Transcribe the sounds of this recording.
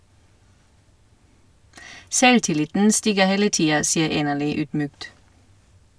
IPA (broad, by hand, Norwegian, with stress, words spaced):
ˈsɛltɪˌlɪtn̩ ˈstiːɡəʁ ˈheːlə ˈtiːɑ ˈsiːəʁ ˈeːnəʁˌlyː ˈyːdˌmyːkt